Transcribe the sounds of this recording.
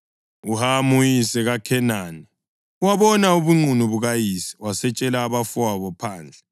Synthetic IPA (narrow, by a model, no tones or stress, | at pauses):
uhamujisɛɣakʰɛnaːni | uwaβɔnauβuŋ͡ǀʱuniβuɣajisi̥wasɛt͡ʃʼɛlaːβafuwaβɔpʰaːnd͡ɮʱɛ